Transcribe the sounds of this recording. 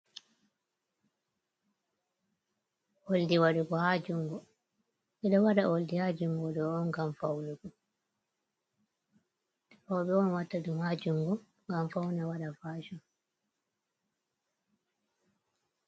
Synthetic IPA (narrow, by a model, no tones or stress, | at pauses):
ʔoldiwaɗuɡɔhad͡ʒuŋɡɔ | ɛɗɔwaɗaʔoldihad͡ʒuŋɡɔɗɔːnɡamfawnuɡɔ | ɛfɔwɓɛɔnwatːadumhaːd͡ʒuŋɡɔ | ŋɡamfawnawaɗafaːʃɔm